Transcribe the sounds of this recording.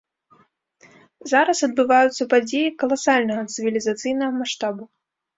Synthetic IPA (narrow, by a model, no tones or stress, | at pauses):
zaɾɐsɐd̪̚bɨvajut̪sːɐpad͡zʲejikɐlˠasalʲnɐɣɐt̪sɨvʲilʲizat̪sɨjnɐɣɐmaʂt̪abu